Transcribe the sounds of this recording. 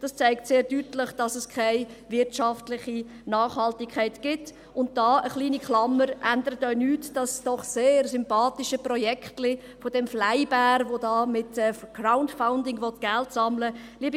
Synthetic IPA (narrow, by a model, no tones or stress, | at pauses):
d̥ɑst͡saɪktseːɾdytlɪχd̥ɑsəskʰaɪvɪɾtʃɑftlɪχi | nɑːχhɑltɪkʰːaɪtɡ̥ɪt | ʊnt̚d̥ɑːʔəχliːnikχlɑmːəɾʔændəɾətœʏnyːtd̥ɑsd̥ɔχseːɾsʏmpɑːtɪʃəprɔjɛkχtlɪ | fodɛmflaɪbæːɾvodɑːmɪtɛɡ̥raʊndfaʊndɪŋvɔtɡ̥ɛltsɑmləliːəb